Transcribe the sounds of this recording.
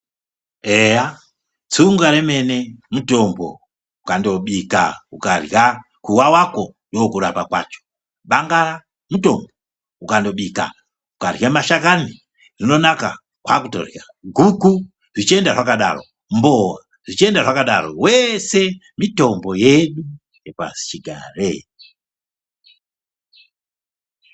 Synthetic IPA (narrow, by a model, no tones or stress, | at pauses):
eja | t͡suŋɡaɾeme̞ne̞muto̞mbo̰ | ukando̞ɓika̰ukarja | kuwawakondokuɾapakwa̰t͡ʃo̥ | ɓaŋɡaɾa | mutombo | ukando̞ɓika̰ | ukarjamaʃakani | rino̞naka | kwakuto̰rja | ɡʱuku | ʐit͡ʃie̞ndaʐakaɗa̰ro̞̰ | mbowa | ʐit͡ʃie̞ndaʐakaɗaɾo̰wese̞ | mito̞mbo̞je̞ɗu | jepa̰si̥t͡ʃiɡʱarḛ